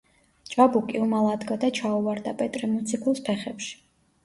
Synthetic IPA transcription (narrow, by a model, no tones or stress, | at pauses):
t͡ʃʼabukʼiumalˠad̪ɡad̪at͡ʃʰauvaɾd̪apʼɛt̪ʼɾɛmɔt̪sʰikʰulˠspʰɛχɛpʃi̥